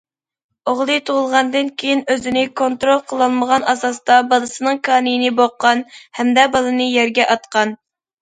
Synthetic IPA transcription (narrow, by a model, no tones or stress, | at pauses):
oʁlˠɨt̪ʰoʁʊlˠʁɑnd̪ɨnkʲʰejinøzɪnɪkʰont̪ɾolˠqʰəlˠɑlˠməʁɑnɑsɑst̪ɑbɑlˠɨsɨnɨŋkʰɑːnɨjinɪboqːɑnhɛmd̪ɛbɑlˠɨnɨjɛɾɡʲɛʔɑt̪qʰɑn